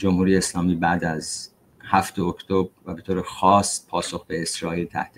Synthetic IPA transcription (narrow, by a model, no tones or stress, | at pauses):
d͡ʒo̞mhuːɾijeeslɒːmiːbæːd̪æz | hæft̪eokʰt̪ʰobɾvæbe̞t̪ʰoːɾexɒːspʰɒːso̞xbe̞esɾɒːiːlt̪ʰæ̰ht̪i